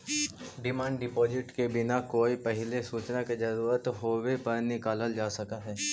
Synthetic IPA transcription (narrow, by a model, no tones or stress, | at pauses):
ɖɪmãːɳɖɖɪpɔːd͡ʒɪʈkebɪnakoːipɛɦɪlesuːt͡ʃnaked͡ʒɐɾuːɾət̪ɦoːwepɐɾnɪkaːləld͡ʒaːsɐkaɦɛː